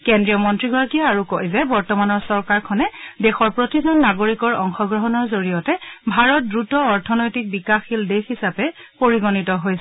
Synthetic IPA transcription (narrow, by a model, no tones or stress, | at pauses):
kendɹiɔmɔntɹiɡʱɔɹakijaaɹukojzɛbɔɹtɔmanɔɹsɔɹkaɹkʰɔnɛdexɔɹpɹotizɔnːaɡoɹikɔɹɔŋxɔɡɹɔɦɔnɔɹzoɹijɔtɛbʱaɹɔt̚dɹutɔɔɹtʰɔnojtik̚bikaxildexisapɛpoɹiɡonitɔɦojsɛ